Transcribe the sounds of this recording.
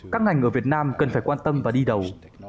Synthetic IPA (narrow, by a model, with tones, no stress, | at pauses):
kaː˦˥kŋa˨˩ŋ̟ʔəː˧˩vi˨˩ət̚naː˧mkə˨˩nfaː˧˩jkwaː˧nt̪ə˧mvaː˨˩ɗi˧ɗə˨˩w